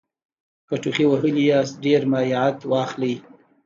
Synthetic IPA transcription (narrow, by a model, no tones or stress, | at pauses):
kaʈuxiwaɦəlijasɖeɾmajʕat̪wɑxlij